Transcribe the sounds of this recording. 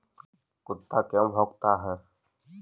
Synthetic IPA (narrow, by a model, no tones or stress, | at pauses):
kʊt̪ʰːakɛ̃mbʱoɡt̪aɦɛː